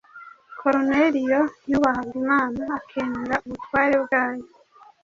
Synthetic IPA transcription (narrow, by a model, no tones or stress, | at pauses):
kʰo̞ɾoneɾijo̞juβaɦaβɡimaːnaːkʰeːmeɾaʔuβutwaːɾe̞bɡaːjo